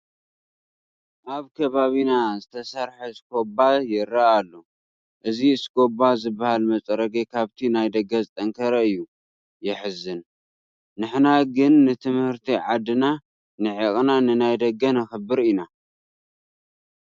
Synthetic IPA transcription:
ʔaβkʰɐβaβinazɨt̪ʰɐsaɾħeɨskʰo̞bajɪɾaʔalːo | ʔɨziɨskʰo̞bazɨbːahalmɐt͡sʼɾɐɡekʰaβt̪ʰinajd̪ɐɡːɐzɨt̪ʼɐŋkʰɐɾɐɨjːu | jɪħɨzɨnː | ɨħnaɡɨnːɨt̪ʰɨmhɨɾt̪ʰiʕad̪ɨna | nɨʕikʼnanɨnajd̪ɐɡːɐnɨxɨbːɨɾina

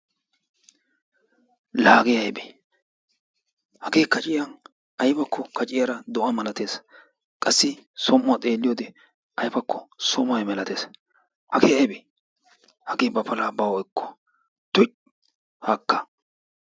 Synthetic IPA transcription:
laːɡɪjɐjbe | hɐɡeːkɐt͡ʃʼɪjɐn | ɐjbɐkːɔkɐt͡ʃʼɪjɐɾɐd̪ɔʔɐmɐlɐt̪eːs | kʼɐsːɪsɔmːɐt̪ʼe̞ːlːɪjoːd̪ɛ | ɐjfɐkːɔsɔmɐjmɛlɐt̪eːs | hɐkeɐjbɛ | hɐɡeːbɐpʰɐlaːbɐwɛkːɔ̥ | t̪ʊ | hɐkːɐ̥

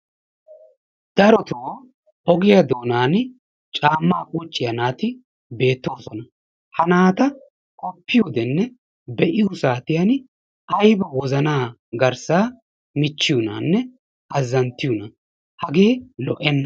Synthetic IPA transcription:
d̪̥ɐɾɔt̪ʊoː | ʔɔɡɪjɐd̪o̞ːnaːn | t͡ʃʼaːmːaːkʼuːt͡ʃʼːɪjɐnaːt̪ɪ | be̞ːt̪ːo̞ːsɔnɐ | hɐnaːt̪ɐ | kʼɔpːɪjod̪ɛnːɛ | bɛʔɪjusaːt̪ɪjɐn | ɐjbɐwɔzɐnaː | ɡɐɾsaː | mɪt͡ʃːɪjʊnaːnːɛ | ɐzːɐnt̪ːɪjʊnɐ | hɐɡe̞ːlɔʔɛnːɐ

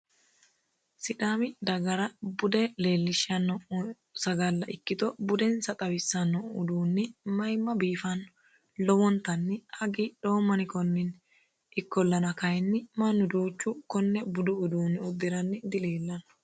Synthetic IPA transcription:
sɪd̪aːmɪd̪ɐɡɐɾɐbʊd̪ɛle̞ːlːɪʃːɐnːɔ | sɐɡɐlːɐʔɪkːɪt̪ɔbʊd̪ɛnsɐt̪ʼɐwɪsːɐnːɔʊd̪uːnːɪmɐjmːɐbiːfɐn | lɔwɔnt̪ːɐnːɪhɐɡɪɗo̞ːmːɐnɪkɔnːɪn | ʔɪkːɔlːɐnɐkɐjɛnːɪmɐnːʊd̪uːt͡ʃʼːʊkɔnːɛbʊd̪ʊʊd̪uːnɔd̪ɪɾɐnːɪd̪ɪleːlːɐnɐ̥

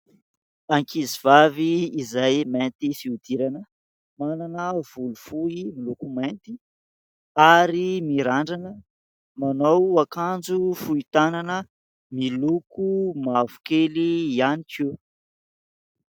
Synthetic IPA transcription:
aŋkiziv̥aviːzajment̪ifiud̪̥iɾanə | mananəv̥ulufuimilukumant̪i̥ | aɾimiɾaɳɖ͡ʐanə | manowakand͡zufuit̪ananə | milukumavu̥kelianikʰi

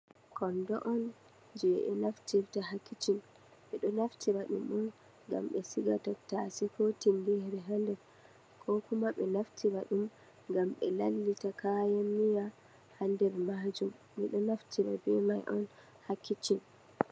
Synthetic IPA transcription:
kɔndɔʔɔn | d͡ʒɛʔɛ̰naftiɾtaɦakːit͡ʃin | ɓɛɗɔnaftʰiɾaɗṵmɗun | ɡa̰mɓɛsiɡatatasikotinbɛhɾɛɦandɛɾ | kʰɔkumaɓɛnaftʰiɾaɗum | ŋɡamɓɛ̰lalːitakajamːija | handɛɾmad͡ʒum | miɗɔnaftʰiɾa̰bɛmajʔɔn | hakːit͡ʃin

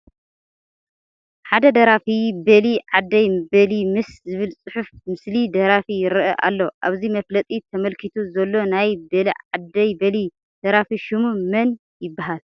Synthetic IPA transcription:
ħad̪ɐd̪ɐɾafibɐliʕad̪ːɐjbɐlimɨszɨβɨlsʼɨħufmɨslid̪ɐɾafijɪɾʔɐʔa̰lːo̞ʔaβzimɐflɐt̪ʼit̪ʰɐmɐlkʰit̪ʰuzɐlːo̞najbɐliʕad̪ːɐjbɐli | d̪̥ɐɾafiʃumumɐn | jɪbːaɦal

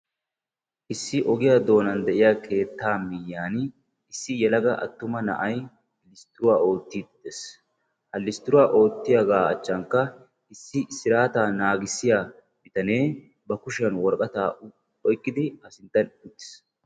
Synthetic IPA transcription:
ʔɪsːɪʔɔɡɪjad̪o̞ːnɐnd̪ɛʔɪjaːkʰe̞ːt̪ːaːmɪjːaːn | ɪsːɪjɛlɐɡɐʔɐ̰t̪ːʊmɐnɐ̰ʔɐj | lɪst̪ːɪɾʊwaːo̞ːt̪ːid̪d̪es | hɐlɪst̪ɪɾʊwaːʔo̞ːt̪ːɪjɐɡaːɐ̰t͡ʃːɐŋkːɐ | ʔɪsːɪsɪɾaːt̪aːnaːɡɪsːɪja | mɪt̪ɐne̞ː | bɐkʊʃɐnwɔɾkʼɐt̪aː | ɔjkʼːɪd̪ɪhɐsɪnt̪ːɐnʊt̪ːɪ̥s

